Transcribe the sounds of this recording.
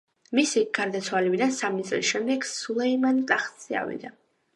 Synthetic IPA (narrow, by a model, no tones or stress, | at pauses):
misiɡ̥aɾd̪at̪sʰwalɛbid̪ansamit̪sʼlisʃɛmd̪ɛɡsulˠɛimant̪ʼaχt̪sia̰vḭd̪a